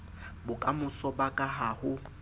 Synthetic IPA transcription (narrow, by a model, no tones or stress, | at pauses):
bʊkʼamʊsɔbakʼaɦahʊ